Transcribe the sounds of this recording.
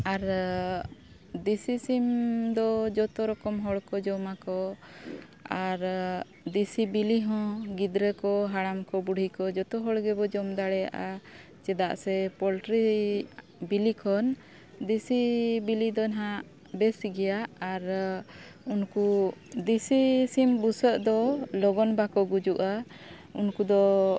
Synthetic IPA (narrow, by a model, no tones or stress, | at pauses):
aɾ | d̪isisimd̪ɔd͡ʒɔt̪ɔɾɔkɔmɦɔɽkɔd͡ʒɔmakɔ | aɾ | d̪isibiliɦɔ̃ɡid̪ɾəkɔɦaɽamkɔbuɽ̤ʱikɔd͡ʒɔt̪ɔɦɔɽɡɛbɔd͡ʒɔmd̪aɽɛja̰ʔa | t͡ʃɛd̪aʔsɛpɔlʈɾi | bilikʰɔn | d̪isibilid̪ɔnɦãʔ | bɛsiɡɛjaʔaɾ | unkud̪isisimbusəʔd̪ɔlɔɡɔnbakɔɡud͡ʒuʔa | unkud̪ɔ